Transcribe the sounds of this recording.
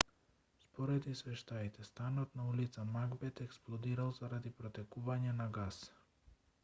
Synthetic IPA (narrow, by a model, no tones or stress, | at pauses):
spɔɾɛd̪isvɛʃt̪ait̪ɛst̪anɔt̪naulit̪samaɡbɛt̪ɛksplˠɔd̪iɾalˠzaɾad̪ipɾɔt̪ɛkuvaɲɛnaɡas